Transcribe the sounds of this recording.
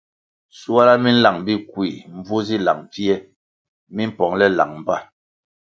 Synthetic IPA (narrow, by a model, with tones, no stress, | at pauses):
su˦a˦la˦mi˦n̩˦la˨ŋbi˦kwi˨m̩˦vu˦zi˦la̰˨ŋfi˦ɛ˦ | mi˦m̩˦pɔ˨ŋlɛ˦la̰˨ŋm˦ba˦˨